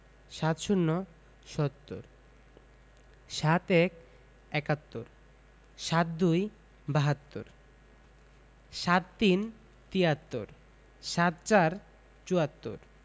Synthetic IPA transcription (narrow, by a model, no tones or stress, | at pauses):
ʃat̪ʃunːo | ʃɔt̪ːo̰ɾ | ʃat̪ɛk | ɛkat̪ːo̰ɾ | ʃat̪̚d̪uj | baɦat̪ːo̰ɾ | ʃat̪̚t̪in | t̪iat̪ːo̰ɾ | ʃat̪̚t͡ɕaɾ | t͡ɕuat̪ːo̰ɾ